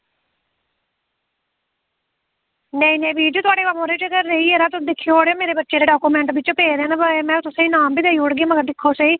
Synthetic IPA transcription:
nɛĩːnẽːbiːd͡ʒut̪ʊaːɽeːʋamõːɾeɪt͡ʃɡəɾːeiːeɾaːt̪ʊd̪ɪkʰːijooːɽeoːmeːɾeːbətːʃeːd̪eːɖaːkuːmɛ̃ːɳʈbɪt͡ʃõpeːɾãːnabmɛ̃ːt̪ʊsãːiːnaːmbʱiːd̪eːioɽɡeaːməɡəɾd̪ɪkʰːoːseiː

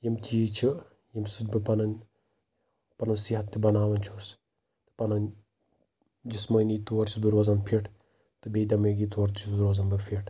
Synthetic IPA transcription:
jimt̪ʲit͡ʃʰi | jimsut̪bɨpɐnɐnʲ | pɐnɐwsiɦɐt̪ːibɐnaːʋɐnt͡ʃʰos | t̪ɨ̥pɐnɐn | d͡ʒismɐjnit̪uːɾt͡ʃʰisd̪uɾɐzɐnpʰiʈʰ | t̪ɨbed̪ɐmeɡit̪uɐɾt̪ʰisd̪uɾozɐnbɨpʰiʈʰ

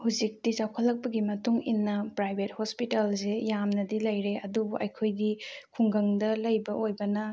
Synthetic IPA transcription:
hud͡ʒik̚tit͡ʃawkʰɐlːɐk̚pɐɡimɐtuŋinːɐpɾajbʱet̚hospitalsejamnɐdilɐjɾeɐdubuʔɐjkʰojdikʰuŋɡɐŋdɐlɐjbɐojbɐnɐ

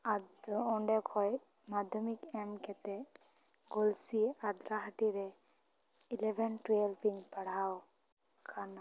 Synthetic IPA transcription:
ad̪ɔɳɖɛkʰɔj | mad̪ʱɔmikɛmkɛt̪ɛ | ɡolsiad̪ɾaɦaʈiɾɛ | ilɛbʱɛnʈɾejlpiŋpaɽ̤aw | kʰana

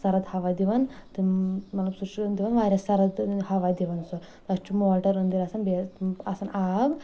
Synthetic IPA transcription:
sɐɾɐd̪hɐʋad̪iʋɐnt̪imɐt̪lɐbsuɾʃiɐnd̪iʋɐnʋaːɾʲɐsɐɾɐd̪hɐʋad̪iʋɐnsu | t̪ɐst͡ʃumoːlʈɐɾɐnd̪iɾɐsɐnbeɐsɐnaːb

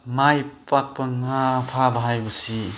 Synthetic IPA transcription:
majpak̚pɐŋapʰabaɦajbɯsi

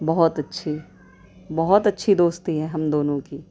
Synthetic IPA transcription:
bɐɦɔt̪ɐtːʃʰi | bɐɦɔt̪ɐtːʃʰid̪oːst̪iɦɛɦɐmd̪oːnõkiː

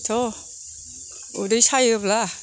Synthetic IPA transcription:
t̪ʰo | udajt͡ɕʰajɯpla

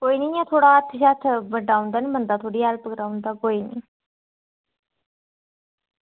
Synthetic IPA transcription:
koːiːnĩːjãːt̪ʰoːɽaːət̪ʰʃaːt̪ʰbəɖaːʊ̃nd̪aːnĩːbənd̪aːt̪ʰoːɽiːalpəkɾaːũnd̪aːkoːiːnḭː

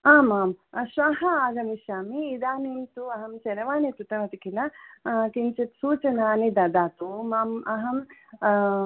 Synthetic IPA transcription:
aːmaːmʃʋaːɦɐaːɡɐmiʃaːmiːd̪aːnimt̪uɐɦɐmt͡ʃɐnɐʋaːnit̪ut̪ɐʋɐt̪ikilɐk̪int͡ʃɐt̪suːt͡ʃɐnaːnid̪ɐd̪aːt̪umaːmɐɦɐm

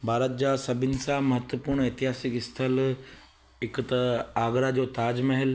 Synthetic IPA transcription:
bʱaːɾət̪̚d͡ʑaːsɐbʱɪnɪ̆sãmɐɦət̪wəpuːɾɽ̃ɳeːt̪ɪɦaːsɪkɪst̪ʰəl | ɦɪkt̪ɐaːɡɾad͡ʑoːt̪aːd͡ʑmɐɦɪl

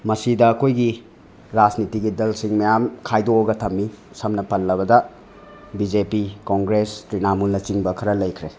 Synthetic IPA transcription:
mɐsidɐːkʰojɡi | ɾad͡ʒnitiɡidelsiŋmɐjamkʰajdoːɡɐtʰɐmːi | sɐmnɐpɐlːɐbɐdɐ | bid͡ʒepikoŋɡɾestɾinamulːɐt͡ʃiŋbɐkʰɐɾɐlɐjkʰɾe

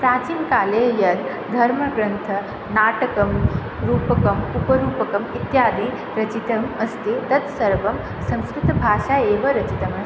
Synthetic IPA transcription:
pɾaːt͡ʃiːmkaːleːjɐd̪ | d̪ʱɐɾmɐɡɾɐnt̪ʰɐ | naːʈɐkɐm | ɾuːpɐkɐmupɐɾuːpɐkɐmit̪jaːd̪i | ɾɐt͡ʃit̪ɐmɐst̪it̪ɐt̪sɐɾʋɐm | sɐ̃w̃skɾɪt̪ɐbʱaːʃaeːʋɐɾɐt͡ʃit̪ɐmɐ

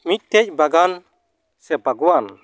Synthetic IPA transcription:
mit̪ʰːɛc̚baɡan | sɛbaɡwan

